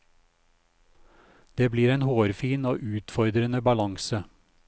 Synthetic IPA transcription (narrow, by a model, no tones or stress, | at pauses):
d̪̥eːbliːɾeːnhoːɾfiːnoːʔʉːt̪fɔɾd̪ɾənəbɑlɑŋsə